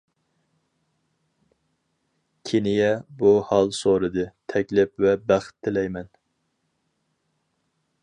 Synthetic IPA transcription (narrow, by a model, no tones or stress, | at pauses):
kʲʰenɪjɛbuhɑlˠsoɾɨd̪ɨt̪ʰɛkʲlɪp̚vɛbæχt̪ʰːɪlɛjmɛn